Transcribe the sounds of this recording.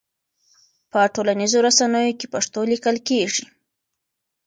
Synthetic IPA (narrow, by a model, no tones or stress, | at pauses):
pəʈolanizoɾasanəjokepaʂt̪olikəlkeʐi